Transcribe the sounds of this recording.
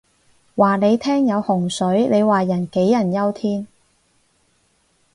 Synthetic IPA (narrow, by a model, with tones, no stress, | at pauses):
waː˨˩ne˨˧jt̪ʰɛː˥ŋjɐ˨˧whʊ˨˩ŋsɵ˨˥ɥne˨˧jwaː˨˩jɐ˨˩nke˨˥jːɐ˨˩njɐ˥wt̪ʰiː˥n